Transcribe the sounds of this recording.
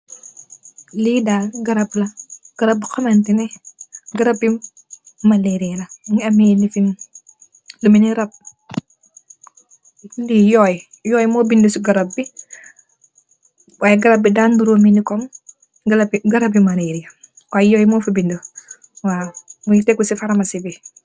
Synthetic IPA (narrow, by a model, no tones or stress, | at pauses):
lidaːɡɐɾɐplɐɡ̥ɐɾɐb̚bikɔmantinɛɡɐɾɐb̚i | mɐleɾijɐlɐŋɐmɛlifin | luminiɾɐp̚ | lijɔːj | jɔːjmɔːbindusiɡɐɾɐp̚ːi | wʔaːjɛɡɐɾɐb̚bidanduɾominikɔm | ɡlbɡɐɾɐbimaleɾijɐ | waːjjɔːjmɔfibindu | waːmuɲitɛkːusifaɾɐmɐsibi